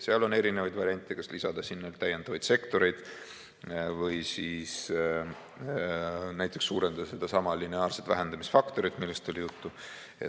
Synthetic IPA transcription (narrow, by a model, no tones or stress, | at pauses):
seɑlo̞ne̞ɾinevɑjd̪vɑɾiɑnʲt̪ʲːˑekɑslisɑd̪̥ɑsinːelt̪æjend̪̥ɑvɑjd̪̥se̞kt̪o̞ɾe̞jd̪̥ | vɤjsiːs | næjt̪ˑːe̞ksːuːɾend̪ɑd̪̥ɑse̞d̪̥ɑsɑmɑlineɑːrset̪væ̰ɦe̞nd̪̥ɑmisfɑkt̪o̞ɾid̪milːest̪olijut̪ːu | ḛ